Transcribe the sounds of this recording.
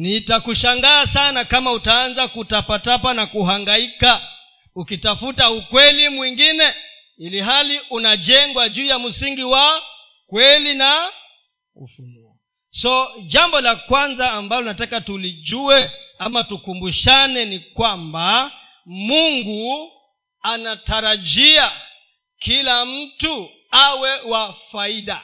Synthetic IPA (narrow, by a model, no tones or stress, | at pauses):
nitakuʃaŋɡaːsanakamautaanzakutapatapanakuɦaŋɡaika | ukitafutaukwɛlimwiŋɡinɛ | iliɦaliunad͡ʒɛŋɡwad͡ʒuːjamusiŋɡiwa | kwɛlina | ṵfunuɔ̰ | sɔd͡ʒambɔlakwanzaːmbalɔnatakatulid͡ʒuɛamatukumbuʃanɛnikwamba | muŋɡu | anataɾaʄia | kilam̩tu | awɛwafaiɗa